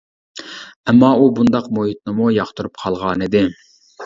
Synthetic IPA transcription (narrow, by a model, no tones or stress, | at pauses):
ɛmːɑubund̪ɑqmoɦit̪̚nɨmujɑχt̪uɾup̚qʰɑlˠʁɑːnɨd̪ɪ